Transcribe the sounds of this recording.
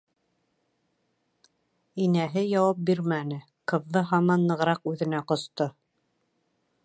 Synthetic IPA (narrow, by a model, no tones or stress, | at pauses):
inæɦɘjɑwɑp̚biɾmænɘ | qɤ̆wðɤɦɑmɑnːɤ̆ʁɾɑqʉðɘ̆næqŏst̪o